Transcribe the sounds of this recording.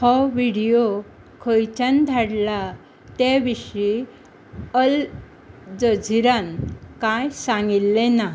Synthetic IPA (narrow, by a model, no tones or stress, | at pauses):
hɔʋiɽijo | kʰojt͡ɕand̪ʱaɽla | t̪eʋiʂi | əl | d͡zəd͡zʱiɾankajsãŋɡilːena